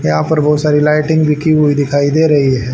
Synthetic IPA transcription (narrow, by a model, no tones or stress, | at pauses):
jɐɦãːpɐɾbɔːt̪saːɾilaːɪʈɪ̃ŋɡbʱikiɦuid̪ɪkʰaːid̪eːɾɐɦiɦɛ̃ː